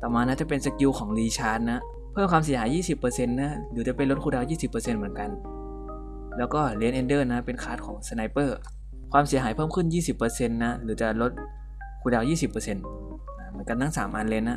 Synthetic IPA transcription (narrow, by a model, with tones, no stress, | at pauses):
t̪ɔː˨˩maː˧naː˦˧˥t͡ɕa˧˩pe˧nsa˧ki˧wkʰɔː˩˦ŋliː˧t͡ɕʰaː˧˥t̪̚na˦˥ʔ | pʰɤː˥˩mkʰwaː˧ms̬i˩˦ɦaː˩˦jːiː˥˩si˨˩pːɤː˧se˧nːa˦˥lɯː˩˦t͡ɕa˨˧˩pe˧nlo˦t̪̚kʰuː˧daː˧wjiː˥˩si˨˩pːɤː˧se˧nmɯ˩˦ənka˧n | lɛː˦˥wkɔː˥˩li˦ənʔe˧ndɤː˥˩na˦˥pe˧nkʰaː˦˥t̪̚kʰɔː˩˦ŋsa˧na˧jpɤː˧˥˩ | kʰwaː˧msi˨˦ɐɦaː˩˦jʰpʰɤː˥˩mkʰɯ˥˩njiː˥˩si˨˩pːɤː˧se˧nːa˦˥lɯː˩˦t͡ɕa˧˩lo˦˥t̪̚ | kʰuː˧˩daː˧wjiː˥˩si˨˩pːɤː˧se˧n | ʔa˧˩mɯː˨˩˦ənka˧nt̪ʰa˥˩ŋsaː˩˦mʔa˧nle˧nːa˦˧˥